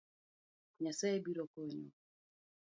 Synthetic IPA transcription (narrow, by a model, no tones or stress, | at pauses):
ɲasaebiɾɔkɔɲɔ̰